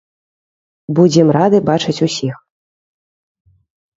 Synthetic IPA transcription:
bud͡zʲɛmrad̪ɨbat͡ʂɐt͡sʲusʲix

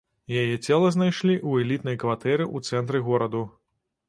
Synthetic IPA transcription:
jajɛt͡sʲɛlˠɐznajʂlʲiʔuɛlʲit̪nɐjkvat̪ɛɾɨʔut̪sɛnt̪ɾɨɣɔɾɐd̪u

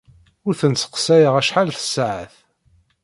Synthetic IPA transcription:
ʊɾθənt͡sːə̥qsæjəʁæʃħalθə̥sːaʕə̰θ

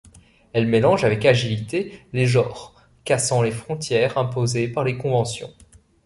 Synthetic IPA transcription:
ɛlmelɑ̃ʒavɛkaʒilit̪eleʒɔːʁ | kasɑ̃lefχɔ̃t̪jɛʁɛ̃pozepaʁlekɔ̃vɑ̃sjɔ̰̃

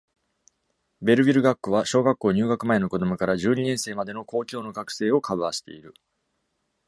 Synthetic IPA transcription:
be̞ɾɯ̟bʲiɾɯ̟ɡakːoβaɕo̞ːɡakːo̞ːɲ̟ɨːɡakɯ̟mae̞no̞ko̞d̪o̞mɯ̟kaɾaʑɨːɲ̟inẽ̞ɰ̃se̞ːmad̪e̞no̞ko̞ːkʲo̞ːno̞ɡakɯ̟̥se̞ːo̞kʰabɯ̟aɕi̥t̪e̞̰iɾɯ̟

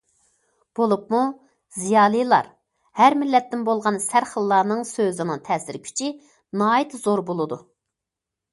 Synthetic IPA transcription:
b̥olˠupmu | zijɑːlˠɨjlˠɑ̰ɾ | hæɾmɪlːɛt̪ːɪnbolˠʁɑnsæɾχəlˠːɑːnɨŋsøzɪnɨŋt̪ʰɛːsɪɾkʲʰy̥t͡ʃʰi | nɑːjit̪zoɾbolˠɨd̪u

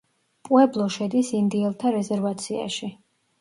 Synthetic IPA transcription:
pʼwɛblˠɔʃɛd̪isind̪iɛlˠt̪ʰaɾɛzɛɾvat̪sʰia̰ʃi

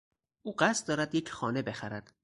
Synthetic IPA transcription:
ʔuːɢæst̪̚d̪ɒːɾæd̪jecxɒːnebe̞xæɾæd̪̥

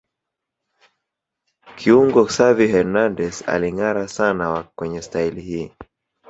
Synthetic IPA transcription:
kʰiuŋɡɔsavihɛɾnandɛsa̰liŋaɾasanawakwɛɲɛstailihiː

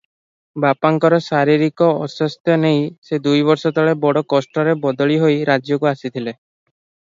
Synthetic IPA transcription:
bapaŋkɔɾɔsaɾiɾikɔɔʃɔst̪jɔnejsed̪ujbɔɾsɔt̪ʰɔɭebɔɽɔkɔsʈɔɾebɔd̪ɔɭiɦojɾad͡ʒjokuasit̪ʰile

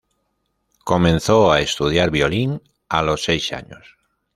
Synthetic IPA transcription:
ko̞mẽ̞nθoaest̪uð̞jaɾβjo̞liŋ | a̰lo̞sːejsa̰ɲo̰s

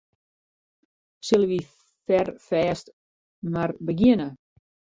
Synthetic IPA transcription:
sɪlˠəʋi | fɛrfɛːst | marbəɡɪnə

